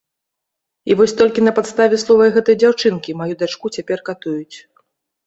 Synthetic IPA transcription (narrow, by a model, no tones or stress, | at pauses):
ivɔsʲt̪ɔlʲkʲinɐpat̪st̪avʲɛslˠɔvɐjɣɛt̪ɐjd͡zʲawt͡ʂɨnkʲimajud̪at͡ʂkut͡sʲapʲɛrkat̪ujut͡sʲ